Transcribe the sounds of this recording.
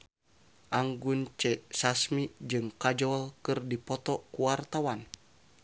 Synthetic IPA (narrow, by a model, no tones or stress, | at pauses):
ʔaŋɡunt͡ʃɛsasmid͡ʒɨŋkad͡ʒɔlkɨrdipɔt̪ɔkuwart̪awan